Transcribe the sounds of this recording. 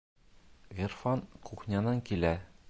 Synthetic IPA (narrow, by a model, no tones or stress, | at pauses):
ʁʲirfɑnquχnʲɑnɑŋkilæ